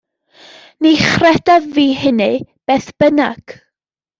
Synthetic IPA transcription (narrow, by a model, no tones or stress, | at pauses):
niχrɛd̥aðviːɦɪnɨb̥eːθb̥ənaɡ̥